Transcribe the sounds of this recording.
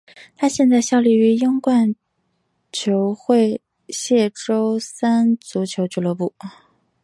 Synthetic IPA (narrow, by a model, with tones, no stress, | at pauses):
t̪ʰa˥ɕjɛ˥˧nt͡sa˥˧ɪɕjɑ˥˧ʊli˥˩y˧˥ji˥ŋkwa˥˩n | t͡ɕʰjo˧˥ʊxwe˥˧ɪ | ɕjɛ˥˩ʈ͡ʂo˥ʊsa˥nt͡su˧˥t͡ɕʰjo˧˥ʊt͡ɕʰy˨˧˩lɤ˧˥pu˥˩